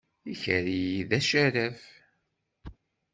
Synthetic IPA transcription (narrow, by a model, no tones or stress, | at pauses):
içəɾijiðæʃæɾæf